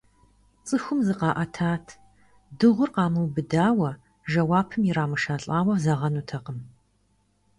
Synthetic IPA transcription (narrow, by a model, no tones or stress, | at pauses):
t͡sʼɨxʷʊmzɨqɑːʔɐtʰaːtʰ | dɨʁʷʊrqɑːmɨwbɨdaːwɐ | ʒɐwaːpʰɨmjɪraːmɨʃaːɬʼaːwɐvzɐʁɐnutʰɐqəm